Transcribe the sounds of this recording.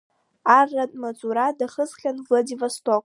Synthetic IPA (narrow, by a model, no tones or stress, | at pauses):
arːatʼmat͡sʼuɾadaχəzχʲanvladivastʰokʼ